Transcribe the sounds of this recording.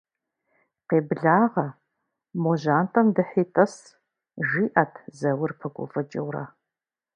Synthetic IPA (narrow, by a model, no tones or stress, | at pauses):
qeːbɮaːʁɐ | moʒaːntʼɐmdɨħiːtʼɐs | ʒiːʔɐtʰzɐwʊrpʰɐkʷʼɔ̰fɐt͡ʃʼɪwrɐ̰